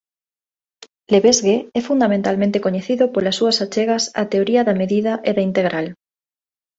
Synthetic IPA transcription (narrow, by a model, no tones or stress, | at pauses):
leβezɣeɛfund̪amẽnt̪almẽnt̪ekoɲeθiðopolasːuɐsat͡ʃeɣɐsɐ̰t̪eoɾiɐðɐmeðiðɐʔeðaint̪eɣɾʔal